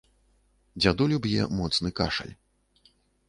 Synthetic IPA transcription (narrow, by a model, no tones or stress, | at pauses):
d͡zʲad̪ulʲubjɛ̰mɔt̪snɨka̰ʂɐ̰lʲ